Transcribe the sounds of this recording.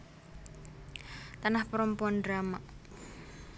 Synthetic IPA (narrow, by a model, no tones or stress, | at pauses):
t̪anahpəɾəmpuandɾamaʔ